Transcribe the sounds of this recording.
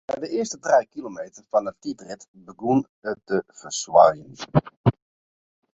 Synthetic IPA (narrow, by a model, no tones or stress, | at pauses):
bɛjdəɪəstətrejkilomejtərfɑnətitrɪt | bəɡun | ət̚əfərswajən